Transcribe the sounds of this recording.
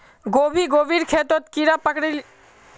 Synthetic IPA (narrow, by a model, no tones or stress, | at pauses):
ɡobʱiɡobʱiɾkʰet̪ot̪kiɾapəkɽil